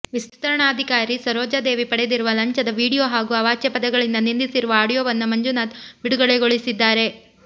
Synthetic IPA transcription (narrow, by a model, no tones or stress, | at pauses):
ʋist̪u̥t̪ɐɾɐɳaːd̪ʱikaːɾisɐɾoːd͡ʒaːd̪e̞ːʋipɐɽed̪iɾuʋɐlɐɲt͡ʃɐd̪ɐʋiːɽijoːɦaːɡuɐʋaːt͡ʃjɐpɐd̪ɐɡɐɭind̪ɐnind̪isiɾuʋɐaːɽijoːʋɐnːumɐɲd͡ʒunaːt̪biɽuɡɐɭeɡoɭisid̪ːaːɾe̞